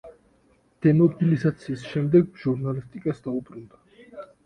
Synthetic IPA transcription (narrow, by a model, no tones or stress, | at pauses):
d̪̥ɛnɔbilizat̪sʰiːsʃɛmd̪ɛɡʒ̥uɾnalist̪ʼikʼasd̪aubɾund̪a